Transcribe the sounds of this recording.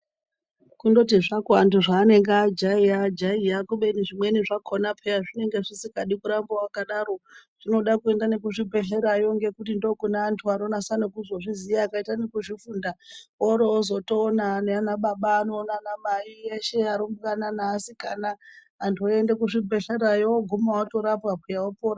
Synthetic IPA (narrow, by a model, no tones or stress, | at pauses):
kundo̞tiʐakwantuʐaːne̞ŋɡad͡ʒaijad͡ʒaijakuɓe̞niʐimweniʐakʰonapʰeraʐine̞ŋɡe̞ʐisikaɗikuɾambowakaɗaɾo̞ʐ̥ino̞ɗakue̞ndanekuʐibʱe̞ɬe̞ɾajo̞ŋɡe̞kutindo̞kunaːntʰuano̞nasanokuzoʐizijaːkaitanekuʐifuːndaoɾoːzo̞toːnaneanaɓaɓaːnoːnanamaieʃe̞aɾombukananaːsikanaː | ntʰuoendekuʂibʱe̞ɬeɾajoɡʱumawatoɾapwapʰejaopoːra